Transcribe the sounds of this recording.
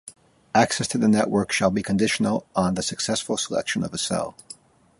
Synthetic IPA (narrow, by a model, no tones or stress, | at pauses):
æksɛstʰɨðɨnɛʔwɜ˞kʃəlˠbikʰɨ̃ndɪʃn̩l̩ˠə̃nðɨsɨksɛsfl̩ˠsəlɛ̰kʃɨ̃nʌvəsɛ̰lˠ